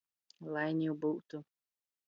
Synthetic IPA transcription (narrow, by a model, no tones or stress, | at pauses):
lˠajnʲiːbuːt̪u